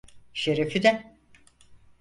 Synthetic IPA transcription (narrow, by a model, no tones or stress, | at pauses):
ʃeɾefid̪ɛ